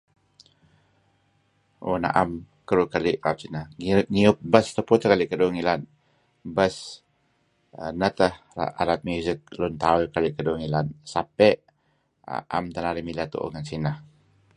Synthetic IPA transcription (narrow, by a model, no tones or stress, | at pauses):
ʔo̰na̰ʔam | kəɾukaliʔrat̪̚sinahŋiŋiʊp̚bəst̪əpʊt̪əkaliʔkəduŋilan | bəs | ənət̪əh | a̰a̰ɾat̪̚mjuzik̚lʊnt̪aujkaliʔkəduŋilansapɛʔ | a̰ʔa̰mt̪anaɾimilat̪ṵʔo̰ŋansinah